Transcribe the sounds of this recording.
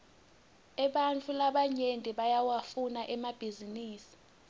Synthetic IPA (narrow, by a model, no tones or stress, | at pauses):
ɛɓant͡fʰʼulaɓaɲentʼɛɓajawafunaʔɛmab̥ʱiziniːsi̥